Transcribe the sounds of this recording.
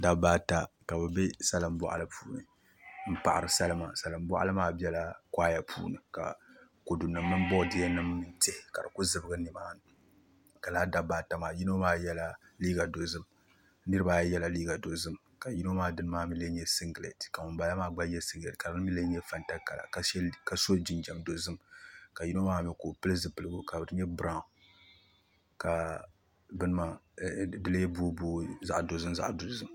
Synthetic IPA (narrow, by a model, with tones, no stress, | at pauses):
da˦baː˦ta˦ka˨bɨ˨bɛ˦sa˦lɨ˨mbɔ̰˦ʔa̰˦lɨ˦pʰṵː˦nɨ̰˨ | m̩˦pa˨ʔa˨ɾɨ˨sa˦lɨ˦ma̰ː˨sa˨lɨ˨m˦bɔ̰˦ʔa̰˦lɨ˦maː˦bɛ˦la˦kʷaː˦ja˦pʰṵː˦nɨ˨ka̰˨ | ko˨dʊ˨nːɨ˨˦mɨ˦m˦bɔ˦˨dɪ˦ja˦nɨ˦mːɨ˦nte˦hɪ˨ka˨dɨ˨ku˦zɨ˦bɨ˦ɡɨ˦nɨ˨maː˦nɨ˨ | ka˨laː˦da˦baː˦ta˨maː˨ji˦no˦maː˦jɛ˦la˦liː˦ɡa˨do˨zɨ˦m | nɨ˦ɾɨ˦baː˦jɛ˦la˨liː˦ɡa˨do˨zɨ˦m | ka˨ji˦no˦maː˦dɨ˦nɨ˦maː˦mi˦le˦ɲɛ˦si˦ŋɡlḛ˨tka˨mʊ˨nba˦ja˦maː˦ɡ͡ba˦jɛ˦sɪ˦ŋɡle˨tka˨bɨ˦n˦mi˦le˦ɲɛ˦fa˦nta˦ka˨la̰˨ka˨ʃɛ˦ka˨so˦d͡ʒɪ˨nd͡ʒa˨mdo˨zɨ˦mka˨ji˦no˦maː˦mɛ˦koː˨pɨ˦lɨ˦zɨ˨pɨ˨lɨ˦ɡʊ˦ka˨bɨ˨ɾɨ˦ɲɛ˦bɨ˦ɾa˦˨ | ka˨ | bɨ˦nɨ˦ma˨bɨ˦le˦buː˦buː˦za̰˦ʔdo˨zɨ˦mza̰˦ʔdo˨zɨ˦m